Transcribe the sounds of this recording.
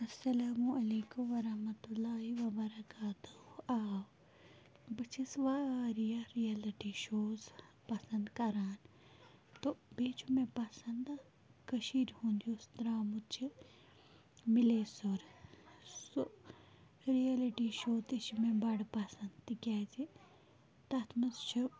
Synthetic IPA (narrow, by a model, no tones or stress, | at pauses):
ɐsːɐlaːmũʔɐleːkumʋɐɾɐhmɐt̪ulːaːɦiʋɐbɐɾɐkaːt̪uaːw | bɐt͡ʃʰisʋaɾijaɾijɐliʈiʃoːz | pɐsɐ̃nd̪kɐɾaːn | t̪obeːt͡ʃʰumẽpɐsɐnd̪a | kɐʃiːɾhũːnd̪iost̪ɾaːmut͡ʃʰi | mɪlesoɾ | so | ɾiɐliʈiʃoːt̪iʃmẽbɐɽpɐsɐ̃nd̪t̪ikɛːd͡ʒi | t̪ɐt̪ʰmɐst͡ʃʰɐ